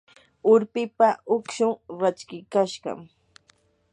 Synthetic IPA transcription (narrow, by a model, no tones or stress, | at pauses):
ʊɾpɪpaʔʊkʃʊŋɾat͡ʃkɪkaʃɢɑ̰m